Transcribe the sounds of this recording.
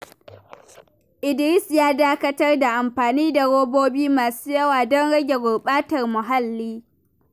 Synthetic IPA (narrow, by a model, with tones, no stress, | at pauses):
ʔɪ˨dɪ˨ɾɪ˦sjaː˦daː˦kɐ˦tɐ˦rda˨ʔa˨mɸaː˨niː˦da˨ɽoː˦boː˦biː˦maː˨suː˦jɐ˦waː˨dɔ˦nɽɐ˦ɡʲe˨ɡʷʊ˨ɽɓaː˦tɐ˨rmʊ˨ɦa˦lːiː˦